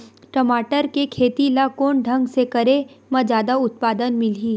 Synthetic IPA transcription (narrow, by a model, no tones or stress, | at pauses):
ʈɐmaːʈəɾkekʰeːt̪ilakoːnɖʱɐ̃ŋɡsekɐɾemɐ̃d͡ʒjaːd̪aʊt̪̚paːd̪ənmɪliː